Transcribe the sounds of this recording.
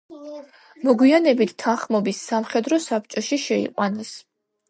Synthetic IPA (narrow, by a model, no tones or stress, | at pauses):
mɔɡwianɛbit̪ʰt̪ʰːanχmɔbisːamχɛd̪ɾɔsap̚ʰt͡ʃʼɔʃiʃɛḭqʼwanɛs